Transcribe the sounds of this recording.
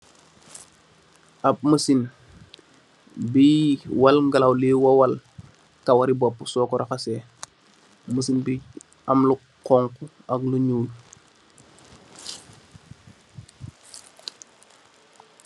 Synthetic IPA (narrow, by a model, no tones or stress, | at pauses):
ʔap̚məsin | biwalŋɡalawleːwawal | kawaɾibɔpːusɔːkɔɾaxasɛː | məsinbi | amlu | qɔŋkuakluɲuːl